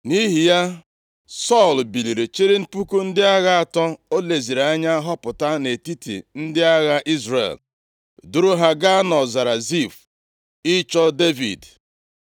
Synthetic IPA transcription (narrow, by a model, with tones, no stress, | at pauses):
ni˦ɦi˨ja˦ | sɔ˦˨lbi˨li˨ɾe˨t͡ʃe˦ɾe˦m̩˦pu˦ku˦n̩˦dɪ˦a˦ɣa˦a˨tɔ˦o˦le˨zi˨ɾa˦ɲa˦a˦ɦɔ˦pʊ˨ta˦ne˨ti˦tḭ˨n̩˦dɪ˦a˦ɣa˦ʔi˦zrḛ˨l | du˦ɾʊ˦ɦa˦ɡa˦nɔ˨za˨ɾa˨zi˦˨f | ɪ˦t͡ʃɔ˦de˦vḭ˨d